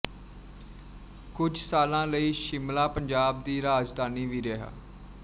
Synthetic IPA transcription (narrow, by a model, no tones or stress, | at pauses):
kʊd͡ʒsaːlãːləiːʃɪmlaːpəɲd͡ʒaːb̚d̪iːɾaːd͡ʒd̪aːniːʋiːɾɛɦa̰ː